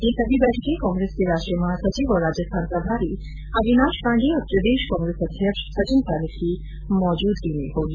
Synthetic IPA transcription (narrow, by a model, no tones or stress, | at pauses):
esɐbʱibɛːʈʰkekɔ̃ːŋɡɾeskeɾaːʃʈɾijəmãsɐt͡ʃiːʋɔɾaːd͡ʒəst̪ʰaːnpɾɐbʱaːɾi | ɐbinaːʃpãːɳɖiɐt̪ːɾəd̪eːʃkɔ̃ːŋɡɾesɐd̪ʱjəkʃsɐt͡ʃinkaːləkki | mɔːd͡ʒuːd̪kineɦoːli